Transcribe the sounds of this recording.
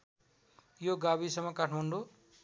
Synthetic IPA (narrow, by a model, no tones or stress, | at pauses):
joɡabisʌmʌkaʈʰmaɳɖo